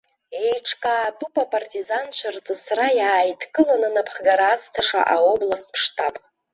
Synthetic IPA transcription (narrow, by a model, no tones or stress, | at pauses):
ejʈ͡ʂʰkʼaːtupʼapʼartʼizant͡ʃʷʰart͡sʼɨsrajaːjtʰkʼɨlananapʰχɡaɾaːstʰaʂa̰ʔaoblaspʰʂtʰʼapʼ